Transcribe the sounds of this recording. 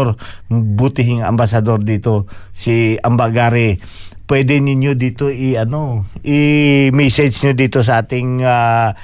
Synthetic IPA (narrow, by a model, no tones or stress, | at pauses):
ɾbut̪ɪɦɪŋɐ̰mbasɐd̪oɾd̪iːt̪o̞siɐmbaɡaːɾɪ | pwɛd̪ɛnɪɲjod̪iːt̪oɪɐnoʔɪmɛsɛd͡ʒɲod̪iːt̪os̬ɐʔaːt̪ɪŋa